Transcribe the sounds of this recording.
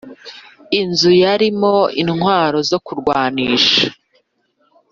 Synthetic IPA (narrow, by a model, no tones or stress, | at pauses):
inzujaɾimo̞inhwaːɾo̞zo̞kuɾɡwaːniːʃḁ